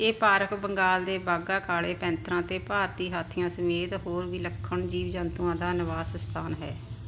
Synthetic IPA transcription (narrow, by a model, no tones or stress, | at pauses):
eːpaːɾəkbəŋɡaːld̪eːbaːɡaːkʰaːɽeːpɛ̃ːnt̪ʰɾãːt̪eːpaːɾt̪iːɦaːt̪ʰːɪjãːsəmeːd̪ɦoːɾʋiːləkʰːəɳd͡ʒiːʋd͡ʒant̪ũãːd̪aːnɪʋaːsst̪ʰaːnɦɛ̰ː